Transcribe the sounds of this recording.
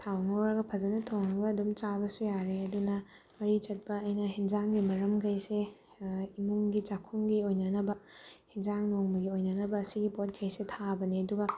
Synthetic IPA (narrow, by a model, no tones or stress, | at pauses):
tʰawŋawɾɐɡɐpʰɐzɐnɐtʰonɐɡɐːdumt͡ʃabɐsujaɾeɐdunɐ | mɐɾit͡ʃɐt̚pɐːjnɐɦind͡ʒaŋɡimɐɾɐmɡʰɐjse | imuŋɡid͡ʒakʰumɡiojnɐnɐbɐhind͡ʒaŋnoŋmɐɡiojnɐnɐbɐːsiɡipot̚ɡʰɐjsetʰabɐniɐduɡɐ